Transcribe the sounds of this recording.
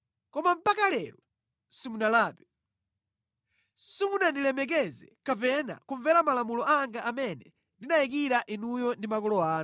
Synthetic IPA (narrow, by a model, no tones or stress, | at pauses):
kɔmam̩pakalɛɾɔ | simunalaːpɛ | simunandilɛmɛk̬ɛzɛ̰kapɛna̰kuɱvɛɾamalamulɔʔaŋɡaʔamɛnɛ | ndinajik̬iɾaʔinujɔndimakɔlɔaːn